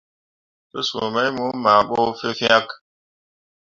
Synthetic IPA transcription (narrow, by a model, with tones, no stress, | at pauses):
tə˦sṵ˨mɛ˦jmu˦ma˨ɓo˦fe˦fj̃a˦k